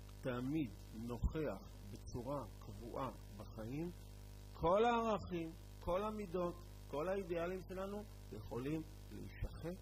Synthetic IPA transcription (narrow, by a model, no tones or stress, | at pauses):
tamid | no̞χeaχ | bet͡suʁakʰavuʔa | baχajim | kʰo̞laːʁaχim | kʰo̞lhamido̞t | ko̞laidealimʃe̞lanu | jeχo̞lim | lḛḭʃaχet